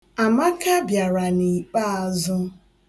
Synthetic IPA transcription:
a˨ma˦ka˦bja˨ɾa˨ni˨k͡pa˦a˨zʊ˦

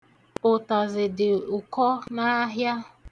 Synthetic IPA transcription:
ʊ˨ta˨zɪ˨dɪ˨ʊ˨kɔ˦na˦ɦja˦

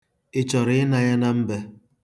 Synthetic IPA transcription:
ɪ˨t͡ʃɔ˨ɾɪ˦ɪ˦na˨ja˦na˦m̩˦be˦

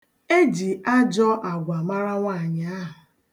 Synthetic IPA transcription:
e˦d͡ʒi˨a˦d͡ʒɔ˦ʔa˨ɡʷa˨ma˦ɾa˦ŋʷa˦˨ɲa˦a˦ɦʊ˨

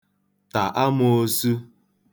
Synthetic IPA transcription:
ta˨ʔa˦mo˦su˦

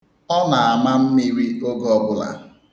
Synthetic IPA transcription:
ɔ˦na˨a˨ma˦m̩˦mi˦ɾi˦o˦ɡɔ˦bʊ˦la̰˨

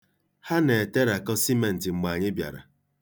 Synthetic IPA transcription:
ha˦ne˨te˦ɾa˨kɔ˦si˦me˨n̩˨tɪ˨ŋ͡m̩˨ɡ͡ba˨ɲɪ˦bja̰˨ɾa̰˨

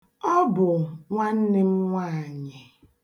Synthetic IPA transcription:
ɔ˦bʊ˨ŋʷa˦n̩˦nɪ˦m̩˦ŋʷa˦˨a˨ɲɪ˨

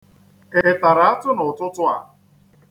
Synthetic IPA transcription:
e˦˨ta˨ɾa˦a˦tʊ˦nʊ˨tʊ˦tʊ˦a̰˨

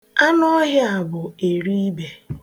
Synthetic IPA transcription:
a˦nɔ˦ɦɪ˦a˨bʊ˨e˨ɾi˦be˨

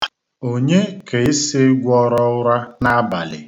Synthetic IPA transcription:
o˨ɲe˦ke˨e˦sɪ˦ɡʷɔ˦ɾɔ˦ʊ˦ɾa˦na˦a˦ba˨lɪ̰˨

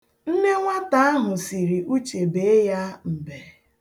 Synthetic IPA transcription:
n̩˦ne˦ŋʷa˦ta˨˦a˦ɦʊ˨si˨ɾi˨ʔu˦t͡ʃe˨be˨e˦ja˦m̩˨be˨ɾe˨

